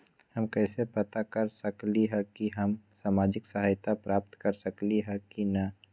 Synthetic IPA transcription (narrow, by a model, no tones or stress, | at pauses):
hɐmkɛːsepɐt̪akɐɾsɐkliɦɛkiɦɐmsaːmaːd͡ʒɪksəɦaːjt̪ʰapɾaːp̚t̪kɐɾsəkliɦɛkinɐ